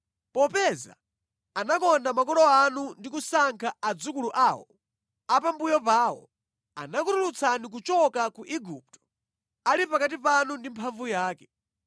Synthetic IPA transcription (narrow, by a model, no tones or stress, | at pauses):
pɔpɛza̰ | anakɔndamakɔlɔanundikusaŋkʰaad͡zukuluʔaːwɔ | apambujɔpaːwɔ̰ | a̰nakuɾulut͡sʰanik̬ut͡ʃɔkakuʔiɡup̚tɔ̥ | alipakat̬ipanundimpʰaɱvujaːkɛ